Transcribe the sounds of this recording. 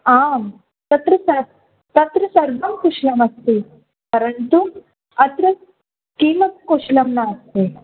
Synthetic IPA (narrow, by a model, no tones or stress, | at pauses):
aːm | t̪ɐt̪ɾɐsɐɾ | t̪ɐt̪ɾɐsɐɾʋɐmkuʃlɐmɐst̪e | pɐɾɐnt̪u | ɐt̪ɾɐ | kiːmɐt̪̚koːʂlɐmnaɐst̪e